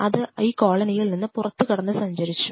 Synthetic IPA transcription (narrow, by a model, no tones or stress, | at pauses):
ɐðɨiːko̞ːɭɐnɐjilninːɨpurɐt̪ːɨkɐɽɐnːɨsɐɲd͡ʑɐɾit͡ɕːu̥